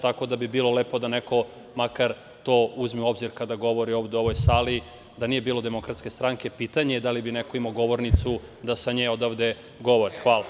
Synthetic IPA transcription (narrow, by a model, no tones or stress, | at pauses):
t̪ako̞d̪abibiːlˠo̞lepo̞d̪aneko̞ | makaɾ | t̪o̞ːuzmiuo̞bziɾkad̪aɡo̞ʋo̞ɾio̞ːʋd̪oo̞ʋo̞jsali | d̪anije̞biːlo̞d̪e̞mo̞kɾat̪ske̞st̪ɾaŋke̞pit̪aɲeed̪alibineko̞imoɡo̞ʋo̞ɾnit̪su | d̪asaɲeo̞d̪aʋd̪e̞ | ɡo̞ʋo̞ɾixʋaːlˠa